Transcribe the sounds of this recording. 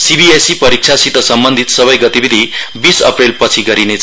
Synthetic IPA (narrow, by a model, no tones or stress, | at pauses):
sibiesipʌɾik̚t͡sʰasit̪ʌsʌmbʌnd̪ʱit̪sʌbʌjɡʌt̪ibid̪ʱibisʌ̰prelpʌt͡sʰiɡʌɾinet͡s